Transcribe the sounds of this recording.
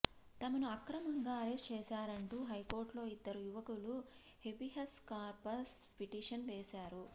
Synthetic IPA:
t̪ɐmɐnuɐkɾɐmɐŋɡaːɐɾesʈt͡ʃɛːʃaːɾɐɳʈuːɦɐjko̞ːɾʈlo̞ːid̪ːɐɾujuʋɐkulu | he̞biɦɐskaːɾpɐs | piʈiːʂɐnʋeːsaːɾu

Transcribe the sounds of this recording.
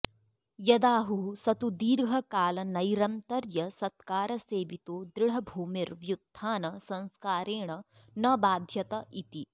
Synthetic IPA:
jɐd̪aːɦusɐt̪ud̪iːɾɡʱɐkaːlɐnɐjɾɐnt̪ɐɾjɐsɐt̪̚kaːɾɐseːʋit̪oːd̪ɾɪɽ̤ɐbʱuːmiɾʋjud̪ʱːaːnɐsɐ̃nskaːɾeːɳ̃ɐ | nɐbaːd̪ʱjɐt̪ɐʔit̪i

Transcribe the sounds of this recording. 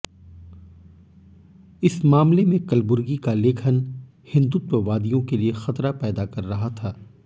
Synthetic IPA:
ɪsmaːmlemẽkɐlbʊɾɡikalɪːkʰən | hɪ̃nd̪uːt̪əʋaːd̪ijõkeliexɐt̪ɾapɛːd̪akɐɾːɐɦat̪ʰaː

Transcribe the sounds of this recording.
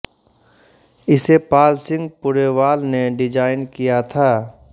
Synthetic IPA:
ɪsepaːlsɪ̃ŋɡ̚pʊɾeʋaːlneɖɪd͡ʒaːɪnkijat̪ʰaː

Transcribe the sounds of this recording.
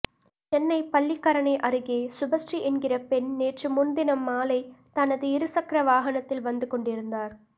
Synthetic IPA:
t͡ʃɛnːɐɪpɐɭːɪkːɐɾɐɳɐɪʔɐɾɯɣeːsʊbɐsʈriʔɛnɡɪrɐpɛnneːʈrɯmʊnd̪ɪnɐmːaːlɐɪt̪ɐnɐðɯɪɾɯsɐkɾɐʋaːɣɐnɐt̪ːɪlʋɐnd̪ɯkɔɳɖɪɾɯnd̪aːɾ

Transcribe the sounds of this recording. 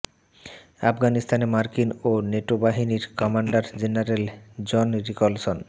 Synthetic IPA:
a̰pɡanist̪ʰanemaɾkinoneʈobaɦiniɾkɔmaɳɖaɾd͡ʑenaɾeld͡ʑɔnɾikolson

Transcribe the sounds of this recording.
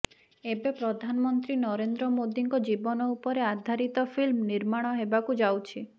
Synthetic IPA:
ebepɾɔd̪ʱanɔmɔnt̪ɾinɔɾend̪ɾɔmod̪iŋkɔd͡ʒibɔnɔupɔɾead̪ʱaɾit̪ɔpʰilmniɾmaɽ̃ɔɦebakud͡ʒawt͡ʃʰi

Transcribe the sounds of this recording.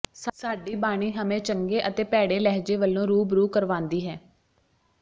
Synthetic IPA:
ssaːɖiːbaːɽ̃iːɦəmẽːt͡ʃəŋɡeːʔət̪eːpɛːɽeːlɛɦd͡ʒeːʋəlːõːɾuːbɾuːkəɾʋãːnd̪iːɦɛː

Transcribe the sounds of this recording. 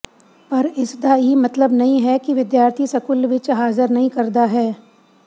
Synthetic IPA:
pɐɾɪsd̪ajimɐt̪ləbnɐɦĩɦɛkiʋɪd̪jaːɾt̪ʰisɐkʊlʋɪt͡ʃɦaːzɪɾnɐɦĩkɐɾd̪aɦɛː

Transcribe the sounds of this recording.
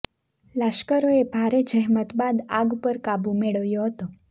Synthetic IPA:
laʃkəɾoebʱaɾed͡ʒəɦmət̪bad̪aɡupəɾkabũmeɭəʋjoɦət̪o

